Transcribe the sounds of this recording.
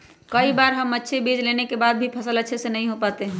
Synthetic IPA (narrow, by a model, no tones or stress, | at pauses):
kəibaɾɦəmːətːʃʰebed͡ʒlenekebad̪̚bʱipʰəsələtːʃʰesenəɦĩɦopat̪eɦɛ̃